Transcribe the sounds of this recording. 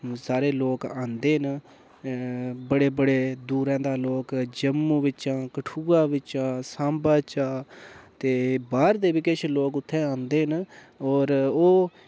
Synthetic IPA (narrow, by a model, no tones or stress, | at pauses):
saːɾeːloːkãːnd̪eːɦn | bəɽeːbəɽeːd̪uːɾɛ̃ːd̪aːloːkd͡ʒəmːuːʋɪt͡ʃãːkəʈʰuːɡaːʋɪt͡ʃãːsãːmbaːt͡ʃaːt̪eːbaːɾd̪eːʋɪkeʃʰloːkʊt̪ʰːẽːãːnd̪eːɦn | ɔːɾoː